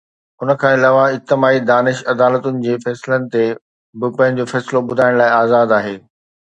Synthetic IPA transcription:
ʊnəkʰãːɪlaːʋaɪt̪ɪmaːid̪aːnɪʃɐd̪aːlət̪ʊnɪ̆d͡ʑeːfɛːsɪlənɪ̆t̪e | bɪpɐ̃ɦɪ̃̆d͡ʑofɛːsɪlobʊd̪ʱaːɪɽ̃laːɪaːzaːd̪aːɦeː

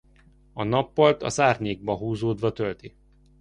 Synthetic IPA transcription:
ɒnɒpːɒlt̪ɒ̰zaːrɲeːɡ̚bɒɦuːzoːd̪ʋɒt̪ølt̪i

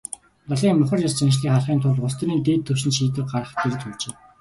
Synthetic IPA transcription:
pɔɮiːŋmʊχə̆rjast͡ɕinʃɮiːŋχaɮχiːnt̪ʰʊɮʊst̪̆niːnt̪iːt̪ʰːɵwʃɪ̆nʃiːt̪ɘ̆r̚ɢaɾə̆χt̪ʰeɾɘ̆t͡ɕɵwt͡ɕeː

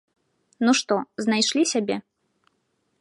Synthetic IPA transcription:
nuʂt̪ɔznajʂlʲisʲabʲɛ

